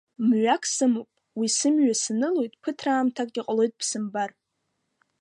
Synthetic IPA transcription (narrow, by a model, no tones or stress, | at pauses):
mɥakʰsɨmopʼ | wisɨmɥasɨnɨlojtʼpʰɨtʰraːmtʰakʼiqʼlo̞jtʼpʰsɨmbar